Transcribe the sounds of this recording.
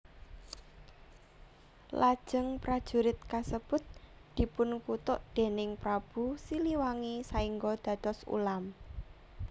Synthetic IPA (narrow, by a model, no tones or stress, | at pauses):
lad̥ʒ̥əŋpɾad̥ʒ̥ṳɾɪt̪̚kasəb̥ʊt̪̚ | d̪̥i̤pʊnkut̪ʊʔd̪̥e̤nɪŋpɾab̥usiliwaŋisaiŋɡod̪̥ä̤d̪̥ɔsṵlam